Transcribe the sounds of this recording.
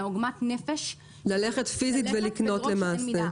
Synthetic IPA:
oɡmatnefeʃ | lale̞χe̞tfizitvelikno̞tle̞maːse

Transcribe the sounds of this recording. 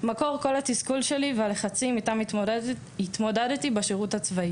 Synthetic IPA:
mako̞ʁko̞lat̪iskulʃe̞livealeχat͡simitam | it̪mo̞dadt̪ibaʃeʁuthat͡svai

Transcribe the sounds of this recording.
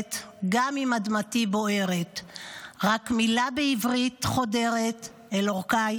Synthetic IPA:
t̪ɡamimadmatibo̞ʔe̞ʁet̪ʁakmilabeivʁit̪χo̞de̞ʁet̪ | eloʁkaj

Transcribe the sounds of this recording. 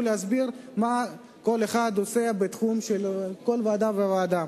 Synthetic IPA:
leazbiʁma | ko̞leχad̪oseabet̪χumʃelko̞lvaːd̪amvevaːd̪a

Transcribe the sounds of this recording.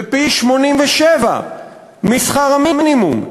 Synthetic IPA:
piʃmonimveʃeva̰ | misχaʁamiminimṵm

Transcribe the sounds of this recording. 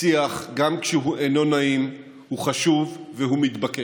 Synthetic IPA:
iaχɡamkʃeɦuʔeno̞naim | huχaʃuvːeɦumit̪bake

